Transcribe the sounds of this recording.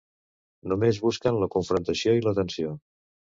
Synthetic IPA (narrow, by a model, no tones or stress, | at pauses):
numezβuskənləkuɱfɾunt̪əsioilət̪ənsio